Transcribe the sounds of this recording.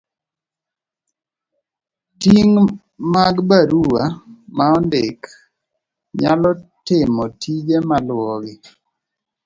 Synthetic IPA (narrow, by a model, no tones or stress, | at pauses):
tiŋ | maɡbaɾuamaɔndɪk | ɲalɔtɪmɔtʰid͡ʒemalwɔɡɪ